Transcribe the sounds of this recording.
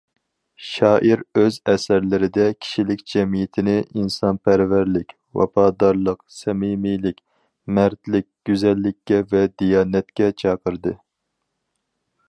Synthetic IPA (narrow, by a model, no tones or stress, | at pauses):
ʃɑːʔiɾøzɛsæɾlɪɾɪd̪ɛkʲʰi̥ʃilɪkʲd͡ʒɛmijɪt̪ʰɪnɪʔinsɑnpʰæɾvæɾlɪkʲ | wɑ̰pʰɑːd̪ɑɾlˠəqsɛmimijlɪkʲ | mæɾt̪lɪk̚ʲɡ̥ʲyzɛlːɪkʲːɛvɛd̪ijɑːnɛt̪̚kʲɛt͡ʃʰɑːqʰəɾd̪ɨ